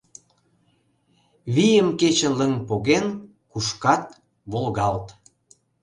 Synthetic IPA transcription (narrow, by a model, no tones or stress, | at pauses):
βijəmket͡ɕələŋpoɣen | kuʃkɑt̪̚ | βolɣɑlt̪